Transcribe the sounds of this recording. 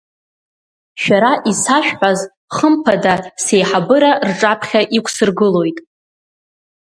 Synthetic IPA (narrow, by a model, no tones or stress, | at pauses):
ʃᶣaɾaʔisaʃᶣħʷaz | χəmpʰadase̞jħabɨɾarʈ͡ʂʼapʰχʲaʔikʷʰʼsɨrɡɨlo̞jtʼ